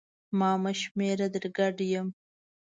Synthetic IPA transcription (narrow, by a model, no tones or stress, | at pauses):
mɑːmaʃmeɾad̪əɾɡaɖjəm